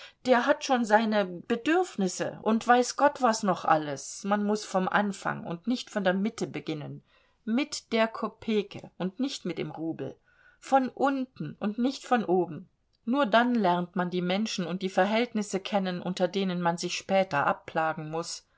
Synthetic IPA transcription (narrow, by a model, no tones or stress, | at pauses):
d̥eːɐɦatʃoːnzaɪnəb̥ədʏɐfnɪsə̰ʔʊntv̥aɪsɡ̥ɔtv̥asnɔχʔa̰ləsmanmʊsfɔmʔa̰nfa̰ŋʊ̰ntnɪçtfɔndeːɐmɪtʰəbəɡɪnən | mɪtd̥eːɐkʰopʰeːkʰə̰ʔʊntnɪçtmɪt̚d̥ḛːmʁuːbl̩ | fɔnʔʊntn̩ʔʊntnɪçtfɔnʔoːbm̩ | nuːɐdanlɛʁntmandiːmɛnʃn̩ʊnt̚d̥iːfɛɐɦɛltnɪsəkʰɛnənʔʊntɐdeːnənmanzɪçʃpɛːtɐʔapʰːl̥aːɡŋ̩mʊs